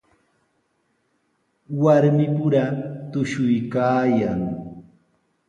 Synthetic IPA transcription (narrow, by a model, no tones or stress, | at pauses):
waɾmɪpʊɾat̪ʊʃʊjkaːjaŋ